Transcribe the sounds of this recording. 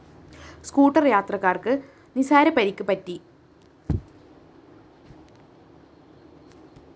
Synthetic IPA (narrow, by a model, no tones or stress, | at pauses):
skuːʈːɐrjaːt̪rɐkːaːrkɨ | nisaːɾɐpɐɾikʲːupɐtːi